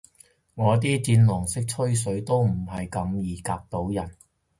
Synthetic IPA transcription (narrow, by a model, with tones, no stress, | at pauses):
ŋɔː˨˧t̪̬iː˥t͡siː˧nlɔː˨˩ŋsɪ˥k̚t͡ʃʰɵ˥ɥs̬ɵ˨˥ɥt̪o˥wm̩˨˩ɦɐ˨jkɐ˨˧mjiː˨kaː˧k̚t̪o˨˥wjɐ˨˩n